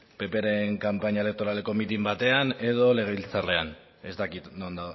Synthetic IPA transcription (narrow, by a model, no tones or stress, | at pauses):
pe̞pe̞ɾe̞ŋkampaɲae̞lek̚t̪o̞ɾale̞ko̞mit̪imbat̪e̞ane̞ð̞o̞le̞ɣ̞e̞βilt͡saɾle̞an | e̞st̪akit̪nond̪a